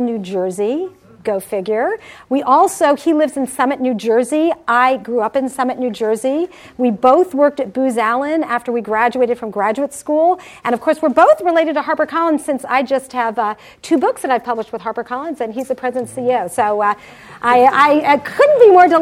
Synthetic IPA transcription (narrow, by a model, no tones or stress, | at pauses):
nʉd͡ʒɜ˞zi | ɡ̥oʊfɪɡjə˞wiʔɔlˠsoʊilɪvzɨ̃n̩sʌmɨtⁿnʉd͡ʒɜ˞ziʔaɪɡɹuʌpɨ̃nsʌmɨʔⁿnʉd͡ʒɜ˞zi | wiboʊθwɜ˞k̚tɨt̚b̥ʉzælˠə̃næftə˞wiɡɹæd͡ʒʉeɪɾɨd̥fɹʌ̃mɡɹæd͡ʒʉətskulˠʔɨ̃ɾ̃ʌv̥kʰɔɹswɨɹboʊθɹɨleɪɾɨd̚tɨɦɑɹbə˞kʰɑlˠə̃nz̥sɪ̃nsa̰ɪd͡ʒʌst̚hɨv | tʰʉbʊksðɨɾaɪv̥pʰʌbləʃt̚wəð̥ɦɑɹbə˞kʰɑlˠə̃nzɨ̃nizɨpʰɹ̥ɛzɨ̃n̩sioʊsoʊ | ʔaɪaɪkʰʊdⁿn̩b̥imɔɹdə